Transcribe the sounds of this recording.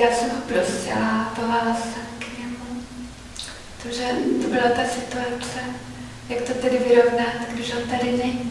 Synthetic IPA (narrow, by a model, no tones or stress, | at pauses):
jaːsɛmɦopɾosɪ̰lat̪oɦalasɛmkɲɛmu | t̪aʒɛt̪obɪlat̪asɪt̪uat͡sɛ | jakt̪ot̪ɛdɪvɪɾovnat̪ɡdɪʃont̪adɪnɛɲi